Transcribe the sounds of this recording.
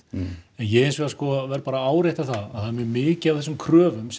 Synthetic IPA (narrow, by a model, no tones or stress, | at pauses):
ɛnjɛɣejnsvɛɾaskɔvɛɾpaːɾaaːwɾejht̪aθaðaðθaðmɛmɪːcɪawθɛsːʏmkʰɾœːvʏms